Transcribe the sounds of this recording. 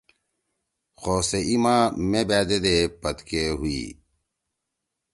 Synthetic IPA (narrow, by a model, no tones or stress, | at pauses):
xoːseimãːmẽbæːd̪ed̪epɐt̪keɦuḭː